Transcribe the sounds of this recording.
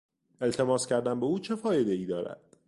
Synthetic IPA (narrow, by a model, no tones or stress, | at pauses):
ʔe̞lt̪ʰe̞mɒːscæɾd̪æmbeuːt͡ʃʰe̞fɒːje̞d̪e̞iːd̪ɒːɾæ̰d̪̥